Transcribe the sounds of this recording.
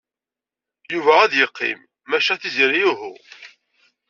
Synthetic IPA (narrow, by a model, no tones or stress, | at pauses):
juvææðjəqːḭmː | æʃæθizɾijuɦʊ̰